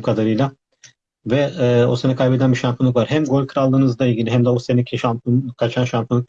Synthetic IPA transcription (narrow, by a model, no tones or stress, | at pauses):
kʰad̪aɾɯjlˠa | vɛo̞̰senɛkʰajbed̪ænbiʃampʰunˠukvaɾɦæmɡo̞lʲkʰɯɾalˠːɯːnɯzd̪ˠailʲɟilʲiɦæmd̪ɛosenicʰʃampunkʰat͡ʃʰanʃampʰunˠuk̚